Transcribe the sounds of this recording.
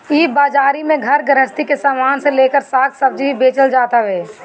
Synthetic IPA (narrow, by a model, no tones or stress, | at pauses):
iːbaːd͡ʒaːɾimẽɡʱɐɾɡəɾə̃st̪ikesaːmaːnseleːkəɾsaːk̪ʰsɐb̚d͡ʒbibeːt͡ʃəld͡ʒaːt̪aɦeː